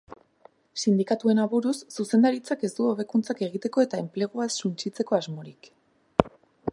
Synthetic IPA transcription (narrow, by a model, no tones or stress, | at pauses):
sind̪ikat̪ue̞naβuɾusːuse̞nd̪aɾit͡sake̞zd̪uoβe̞kunt͡sake̞ɣ̞it̪e̞ko̞e̞t̪ae̞mple̞ɣ̞uasːunt͡ʃit͡se̞ko̞azmo̞ɾik